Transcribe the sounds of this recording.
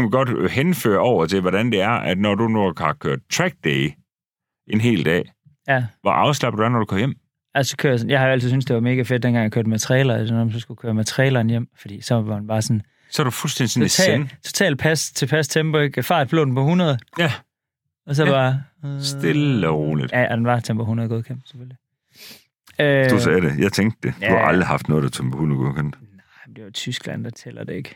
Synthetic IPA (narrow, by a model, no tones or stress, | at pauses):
miɡ̥ɒ̽d̥henfø̰ːɐɒʊ̰ɐt͡sʰe̝ʋɒɾænd̥e̝æɐæd̥nɒdunuɑhɑ̈kʰøɐ̰d̥̚t͡sʰʁæɡ̥̚d̥eɪ | e̝nɦe̝̰ːld̥ɛ̰ː | jæʋɑʔɑ̈ʊslɑb̥d̥uæɐnɒd̥ukʰɒ̽mjem̰ | ælssɒ̥̽kʰøːɐ̰jas̬ɔn̩jɑ̈hɑ̈oæl̰t͡sʰiðsynsd̥e̝ʋɑ̈me̝ːɡ̥æfed̥d̥enɡɑ̈ŋjɑkʰøːɐd̥mæt͡sʰʁiɛ̰ːlɐd̥e̝nːmsɒsɡ̥ukʰøːɐmæt͡sʰəʁɛːlɐːnjem̰fɒ̽d̥ḭːsɒ̽ʋɑ̈mænb̥ɑ̈ːsɒ̽n | sɒɾ̥ufulsd̥end̥isɔndit͡sʰo̝̥t͡sʰɛ̰ːld̥̚pʰæst͡sʰe̝pʰæst͡sʰemb̥oeɡ̥fɑ̈ːd̥̚b̥lo̰ːd̥n̩pɒ̽hunɐðˠ | ɒ̽s̬ɒ̽b̥ɑ̈ːsd̥eləʁoːlid̥jæʔɒd̥enʋɑ̥̈t͡sʰemb̥oɦunɐðˠɡoðˠkʰemb̥sefølli | ød̥usɛːɾejɑ̈ɪt͡sʰeŋɡd̥e̝jduhɑ̈ɑ̈ld̥ʁihɑ̈fd̥nɔ̽ːð̞̩̥ˠæt͡sʰempʰɔhunɐð̩ˠɡɔ̰ð̩ˠkʰen̥nɑɪnd̥e̝ʋɑt͡sʰysɡ̥læn̰d̥ɑ̈t͡sʰḛːlɐd̥ee̝ɡ̥